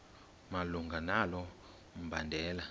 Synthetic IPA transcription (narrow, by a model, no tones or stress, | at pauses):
maluŋɡʱanalɔ | m̩bandʱɛːla